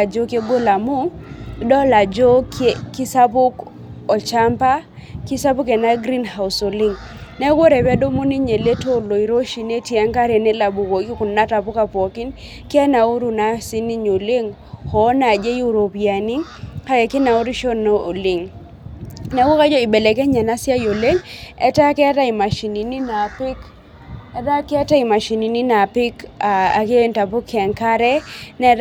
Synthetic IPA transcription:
a˨d͡ʒo˦ke˦ɡo˦la˨mu˦dɔ˦la˨d͡ʒo˦kki˦sa˦pʊ˦k | ɔ˨t͡ʃa˦mpa˦ki˦sa˦pu˦kɛ˨na˦ɡɾi˦nha˨ʊ˨so˨li˦ŋ | nɛ˦ɡo˦ɾɛ˨ba˦do˦mu˦ni˦ɲe˨le˦to˦˨lo˨i˨ɾo˦ʃi˨ne˦tja˦ŋka˦ɾe˨ne˦la˨bu˨ko˨ɡi˦ku˨nna˦ta˨pʊ˦ka˨pɔ˨ki˦n | kɛ˦na˨u˦ɾu˨na˦si˦ni˦ɲo˨le˦ŋ | hɔ˨˦na˨d͡ʒe˦ju˦˨ɾo˨pi˨a˨ni˦ka˦ɡe˨ke˦na˨u˦ɾi˦ʃo˦no˦ʔo˨lɪ˨ŋ | na˨wo˦ka˦d͡ʒɔ˦ɪ˨be˨le˨kɛ˦ɲa˨na˦sja˦jo˨le˦ŋɛ˦ta˦kɛ˦ta˦ɪ˨ma˨ʃi˨ni˨ni˦na˨pɪ˦k | ɛ˦da˦kɛ˦ta˦ɪ˨ma˨ʃi˨ni˨ni˦na˨pɪ˦ka˨a˨ke˦nta˨pʊ˦kɛ˨ŋka˦ɾɛ˦nɛ˦

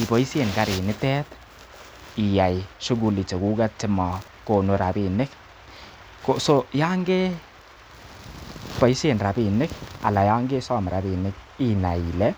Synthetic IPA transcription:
i˨bɔ˨i˦se˨nka˨ɾɪ˨nɪ˦tɛ˦t̪ | i˨ja˨jʃʊ˦ɡu˦˨li˨t͡ʃe˨ɡu˦ɡa˦t̚t͡ʃɪ˦ma˨ | ko˦˨no˨ɾa˨bi˨nɪ˦k | ko˦so˦ja˦ŋɡe˦ | pɔ˨i˦se˨nɾa˨bi˨nɪ˦ka̰˨la˨ja˦ŋɡe˦sa˦˨m˨ɾa˨bi˨nɪ˦k̚ | i˦na˨i˨lɛ˦

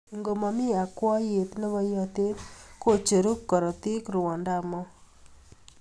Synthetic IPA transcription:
ŋɡo˨mɔ˨mi˦a˨kwɔ˦je˨t̪ne˦bɔ˦jɔ˦t̪e˦t̪ko˨t͡ʃe˨ɾu˦kːɔ˨ɾɔ˨t̪i˦kɾu˨wɔ˨nda˦mɔ˦

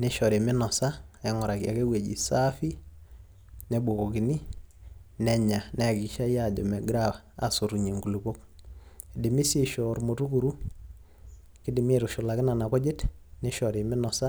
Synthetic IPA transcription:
neʃɔɾe˨mɪ˦nɔ˨sa˦ɛ˦ŋɔ˨ɾa˨kja̰˨ke˦we˨ɟḭ˨sa˦fi˦ | nɛ˨bo˨ko˨ki˨ni˦ | nɛ˨ɲa˨nɛ˨ki˨ʃa˦jjad͡ʒɔ̰˨mɛ˨ɡɾaw | a̰so˨ɾuɲe˨ŋɡu˨lubo˦k̚ | di˨mɪ˦si˦ʃɔɾmotu˦kuɾu˦ | kɪ˦di˨me˦ɾuʃʊ˨lakɪ˦na˨na˨kɔ˦d͡ʒe˦tne˦ʃɔɾemɪ˦nɔsa˦

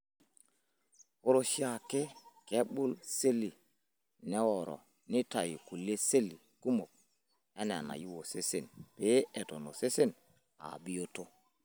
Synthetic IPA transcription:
wo˦ɾo˨ʃi˦a˨ke˦ke˦ɓu˦lse˦li˨ | nɛ˦wo˨ɾɔ̰˨ | ni˦ta˨ji˨ku˨lːe˦se˦lːi˨ku˦mo˨k̚ | e˦n˨a̰˨na̰˨ji˦wo˨se˦se˨npe˨˦e˨to˨no˨se˦se˦n | a̰˨bi˦jo˦to˦

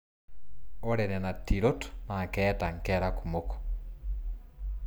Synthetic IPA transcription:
ɔ˦ɾɛ˨nɛ˨na˨tːi˨ɾo˦tna˨kɛ˦ta˨ŋ˨kɛɾa˦ku˨moko̥

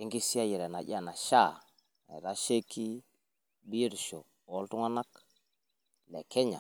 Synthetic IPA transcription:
e˦ŋɡi˦si˦a˦ji˨ɾɛ˨na˨ʄa˦˨na˨ʃa˦˨ | ɛ̰˨ɾa˦ʃe˦ki˦ | bi˦e˦˨ɾʃɔ˨ɔ˦ltu˦ŋa˦na˦k | lɛ˨kɛ˦ɲa̰˨

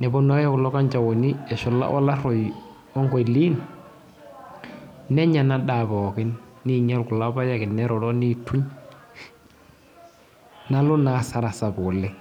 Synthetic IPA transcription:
nɛ˨bɔ˦na˦kɛ˦kʊ˨lɔ˦ka˦ɲt͡ʃa˨wɔ˨ni˦ɛ˨ʃɔ˨la̰˦wʔa̰˦la˦ɾɔ˨j | ɔ˦ŋɡɔ˨i˨li˦n | nɛ˦ɲa˨na˦ɗa˨bɔ˨kɪ˦nːi˦ɲa˦lkʊ˨la˦ba˦ja˦kɪ˨nːɛ˦ɾɔ˨dɔ˦ni˦tʰu˦ɲ | na˦lɔ˦na˨sa˦ɾa˨sa˨bʊ˨lːɛ˦

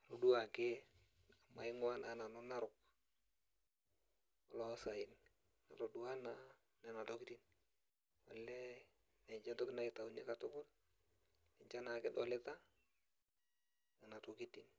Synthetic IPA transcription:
a˨ɾu˨du˦a˨ke | a˨ma˨ɪ˦ŋwa˦nana˨no˦na˦ɾʊk̚ | ɔ˨lɔ˨˦sa˨ɪn | na˨to˨dua˦na | nɛ˨na˨tɔ˦ki˦ti˦n | ɔ˨lːɛ˦ | nɛ˨ɲd͡ʒɛ˦nto˦kɪ˦na˦ɪ˨ta˨u˨ne˦katʊ˦kʊ˦l | ɪ˨ɲt͡ʃa˦na˨kɪ˦dɔ˨lɛ˦ta˦ | ŋɪ˨na˨toki˦tin

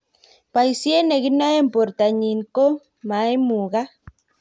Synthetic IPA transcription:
pa˨jsje˦ne˨ɣi˦na˦e˦˨mpo˨ɾt̪a˨ɲi˨ŋko˦ | ma˨˦e˦mu˨ɣa˦

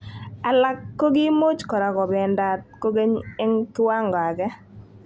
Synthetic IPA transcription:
a˨la˦kːo˦ɡɪ˦mo˦t͡ʃkɔ˨ɾa˨kɔ˨bɛ˨nda˨t̚ko˦ɡe˦ɲɪ˦ŋta˦ŋɡɔ˨a˨ɡɛ˦

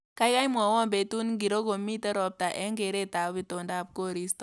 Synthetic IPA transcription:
ka˦jka˦jmɔ˨wɔ˦mbe˨tu˦nŋɡi˨ɾo˦ɡo˨mi˦tɛ˦ɾɔ˨p̚ta˨ʔɛ˦ŋɡe˨ɾe˦ta˨˦bi˨to˨nda˦˨p̚ko˦ɾi˦stɔ˨

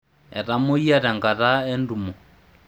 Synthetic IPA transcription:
ɛ̰˨ɾa˦mo˦i˦a˦ɾa˨ŋɡa˨ɾa˦ɛ˦n˦du˨mɔ˨

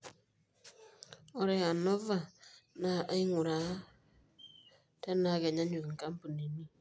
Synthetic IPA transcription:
ɔ˦ɾɛ˦a˨nɔ˦va˦na˨ʔa˦i˦ŋu˨ɾa˨˦ | ta˦na˨˦ɡa˨ɲa˦ɲu˨kŋ̩˨ka˦m̩˦pu˨ne˨ni˦

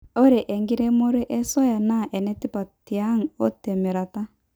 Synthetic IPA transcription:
o˦ɾe˨ʔɛ˨ŋɡi˦ɾɛ˦mo˦ɾe˦ʔɛ˦sɔ˦ja˨na˦˨ʔɛ˨nɛ˦ti˦pa˨ti˨a˦ŋ̩˨ɔ˦tɛ˨mi˨ɾa˨ta˦

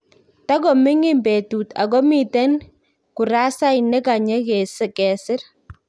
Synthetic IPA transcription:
ta˦kɔ˨mɪ˦ŋɪ˦mbe˨tu˨ta̰˨kɔ˦mi˨tɛ˦n | ku˨ɾa˦sa˦jnɛ˦ka˨ɲɛ˦ke˨sɪ˨kɛ˨sɪ˦ɾ

